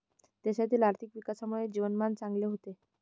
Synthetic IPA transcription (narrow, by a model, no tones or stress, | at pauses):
t̪aɕat̪ʰiːlaɾt̪ʰikʋikasamuɭed͡ʑiʋənmant͡saŋɡleɦot̪e